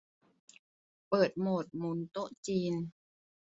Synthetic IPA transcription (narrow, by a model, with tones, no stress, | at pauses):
pɤː˨˩t̪̚moː˨˩t̪̚muː˨˦nt̪o˦˥ʔt͡ɕiː˧n